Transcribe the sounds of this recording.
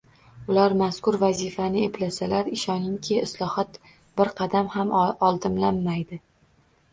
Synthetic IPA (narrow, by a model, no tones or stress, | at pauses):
ʊlaɾmaskʊɾvazifanɪeplasalaɾɪʃɒnɪŋkʲʰeɪslˠɒhɒt̪ | b̥ɪɾqʰɑd̪amhamɒlˠd̪ɪmlanːajd̪ɪ